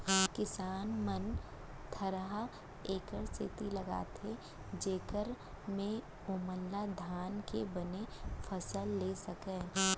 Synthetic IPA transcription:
kɪsaːnmən | t̪ʰɐɾɦa | eːkəɾsḛt̪ilɐɡa̰ːt̪ʰe | d͡ʒeːkəɾ | mẽ | ʊːməlːad̪ʱaːnkebɐnefʰɐsəlːesɐkẽː

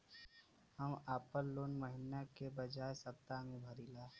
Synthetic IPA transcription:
həmaːpəɾloːnməɦɪnakebəd͡ʒaːesəpt̪amẽbʱəɾilaːɦ

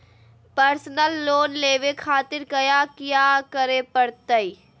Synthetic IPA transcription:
pəɾsnəlːoːnleːʋekʰaːt̪ɪɾkɐjakjaːkəɾepəɽt̪əi

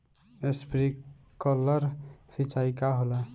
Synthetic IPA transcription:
espɾi | kələɾsit͡ʃajkaɦola

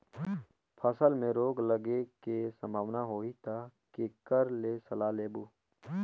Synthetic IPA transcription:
pʰɐsəlmẽɾoːɡləɡekesə̃mbʱaːʋnaɦoːit̪ʰakekəɾlesɐlaːleːbuː

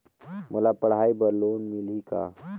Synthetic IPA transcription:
mʔulapɐɽ̤aːibəɾloːnmilika̰

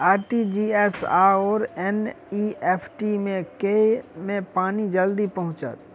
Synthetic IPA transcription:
aːɾʈid͡ʒiɛsa̰ɔːɾɛn | ieːpʰʈimẽkemẽpaːnid͡ʒəld̪ipɐɦʊ̃t͡ʃə̰t̪̚

